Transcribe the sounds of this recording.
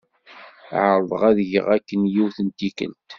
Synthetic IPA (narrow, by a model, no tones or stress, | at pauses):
ʕəɾˤðˤəʁæðʝə̰ʁækːənjiwθənt̪ikə̰lt̪